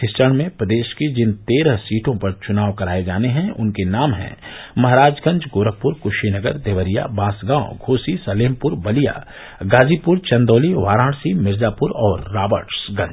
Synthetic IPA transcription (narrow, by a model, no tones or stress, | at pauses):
ɪst͡ʃəɳ̃mẽpɾɐd̪eːʃked͡ʒɪnt̪eːɾəɦsiːʈʰõpɐɾt͡ʃʊnaːʋkɐɾaːed͡ʒaːneɦɛ̃ʊnkenaːmɦɛ̰̃mɐɦɾaːd͡ʒɡɐ̃ɲd͡ʒɡoːɾək̚pʊɾkʊʃinɐɡə̰ɾd̪eːʋəɾija̰baːsɡãːõ̰ɡʱoːsisɐleːmpʊɾbɐlija̰ː | ɡaːd͡ʒipʊɾt͡ʃɐ̃nd̪oːliʋaːɾãːɽsimɪɾzaːpʊɾɔːɾːaːbəɾʈsɡɐ̃ɲd͡ʒ